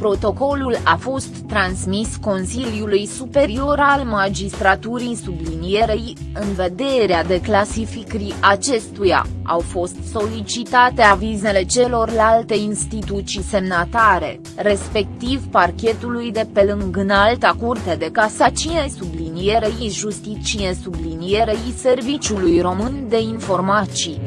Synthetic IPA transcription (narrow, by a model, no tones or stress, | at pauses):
pɾot̪o̞ko̞lulafo̞st̪ːɾansmisko̞nsiljulujsupe̞ɾio̞ɾalmad͡ʒist̪ɾat̪uɾisublinije̞ɾej | ɨnve̞d̪e̞ɾead̪e̞klasifikɾiʔat͡ʃe̞st̪uja̰a̰wfo̞st̪so̞lit͡ʃit̪at̪e̞avize̞le̞t͡ʃe̞lo̞rlalt̪e̞inst̪it̪ut̪t͡ʃise̞mnat̪aɾe̞̰ | re̞spe̞k̚t̪ivparkʲe̞t̪ulujd̪e̞pe̞lɨŋɡɨnalt̪akurt̪ed̪e̞kasat͡ʃinejsublinije̞ɾejiʒust̪it͡ʃijesublinije̞ɾejse̞rvit͡ʃʲulujro̞mɨnd̪e̞info̞rmat̪si